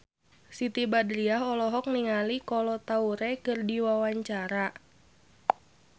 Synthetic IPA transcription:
sit̪ibadɾiaɦɔlɔɦɔk̚niŋalikɔlɔt̪auɾɛkɨrdiwawaɲt͡ʃaɾa

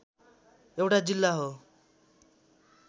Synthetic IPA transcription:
ewʈad͡ʑilːaɦo

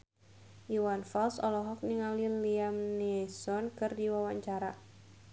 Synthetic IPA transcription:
iwanfalsɔ̰lɔɦɔk̚niŋaliliamnɛsɔnkɨrdiwawaɲt͡ʃaɾa

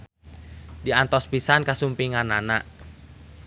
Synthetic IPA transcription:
diant̪ɔspisankasumpiŋananaʔ

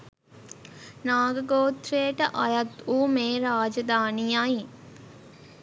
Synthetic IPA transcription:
naːɡəɡoːt̪ɾejəʈəʔɐjɐt̪uːmeːɾaːd͡ʒɐd̪aːnijai

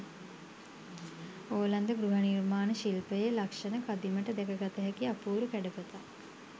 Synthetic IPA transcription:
oːland̪əɡɾuɦanirmaːnəʃilpəjelakʂənəkad̪iməʈəd̪ɛkəɡat̪əɦɛkiapuːɾukæɖəpət̪a

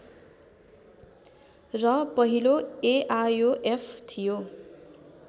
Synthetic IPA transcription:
rʌpʌɦiloeʔajoʔepʰt̪ʰijo

